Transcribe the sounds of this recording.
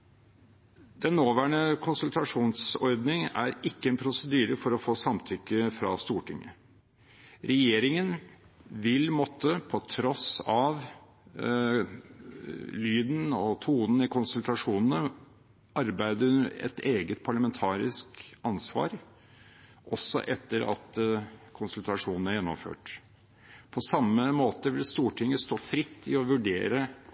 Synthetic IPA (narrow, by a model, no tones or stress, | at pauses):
d̪ɛnːoːʋæːɳəkʰʊnsʉlt̪ɑʂuːnsɔɾd̪nɪŋæ̰ɾɪkːəɛnpʰɾʊsəd̪yːɾəfɔɾɔfoːsɑmt̪ʰʏkːəfɾɑst̪uːʈʰɪŋːə̰ | ɾɛjeːɾɪŋən | ʋɪlmɔt̪ʰːəpʰɔt̪ʰɾɔsɑʋ | lyːd̪n̩ɔt̪ʰuːd̪n̩ɪkʊnsʉlt̪ɑʂuːnn̩ə | ʔɑɾbæɪd̪əɛ̰t̪eːɡət̪̚pʰɑɭɑmɛnt̪ʰɑːɾɪskɑnsʋɑ̰ːɾ | ʔɔsːɔ̰ʔɛt̪ːəɾɑ̰t̪kʰʊnsʉlt̪ɑʂuːnn̩æɾjɛnːɔ̰mfø̰ːʈ | pʰɔsɑmːəmoːt̪əʋɪlst̪uːʈʰɪŋːəst̪oːfɾɪt̪ːɪɔʋʉɖḛːɾə